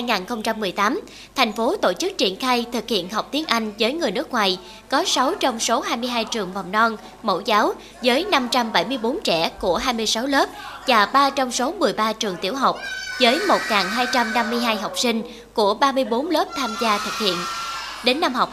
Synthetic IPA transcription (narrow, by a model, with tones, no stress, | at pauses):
aː˧jŋaː˨˩nxə˧wŋ͡mt͡ɕa˧mːɨ˨˩əjt̪aː˨˦m | t̪ʰɛ˨˩jŋ̟fo˨˦t̪o̰˧t͡ɕɨ˦˥k̚t͡ɕḭ˧˩ənxaː˧jt̪ʰɨ˨˩k̚hḭ˧˨ənɦa˨˩wk͡p̚t̪i˨˦ənʔa˧jŋ̟zəː˨˦jŋɨ˨˩əjnɨ˦˥k̚ŋwa˨˩j | kɔ˨˦sa˨˦wt͡ɕɔ˧wŋ͡mso˨˦ɦaː˧jmɨ˧jɦaː˧jt͡ɕɨ˨˩əŋvɔ˨˩wŋ͡mnɔ˧n | mo̰˧˩zaː˨˦w | zəː˨˦jna˧mt͡ɕa˧mɓa˧˩jmɨ˧jɓo˨˦nt͡ɕɛ̰˧˩ku˧˩əɦaː˧jmɨ˧əjsa˨˦wləː˦˥p̚vaː˨˩ɓaː˧t͡ɕɔ˧wŋ͡mso˨˦mɨ˨˩əjɓaː˧t͡ɕɨ˨˩əŋt̪ḭ˧˩əwɦa˨˩wk͡p̚zəː˨˦jmo˨˩t̚ŋaː˨˩nɦaː˧jt͡ɕa˧mna˧mːɨ˧əjɦaː˧jɦa˨˩wk͡p̚sï˧ŋ̟ | ku˧˩əɓaː˧mɨ˧əjɓo˨˦nləː˦˥p̚t̪ʰaː˧mzaː˧t̪ʰɨ˨˩k̚hḭ˧˨ən | ɗe˨˦nːa˧mha˨˩wk͡p̚